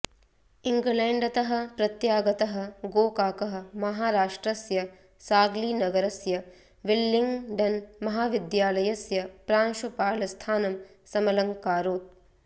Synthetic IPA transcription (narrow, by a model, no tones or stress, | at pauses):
iŋɡleːɳɖɐt̪ɐɦɐ̆pɾɐt̪jaːɡɐt̪ɐɦɐ̆ɡoːkaːkɐɦɐ̆mɐɦaːɾaːʂʈɾɐsjɐ | saːɡliːnɐɡɐɾɐsjɐ | ʋilːiŋɡɖɐnmɐɦaːʋid̪jaːlɐjɐsjɐpɾaːnʃupaːlɐst̪ʰaːnɐm | sɐmɐlɐŋkaːɾoːt̪̚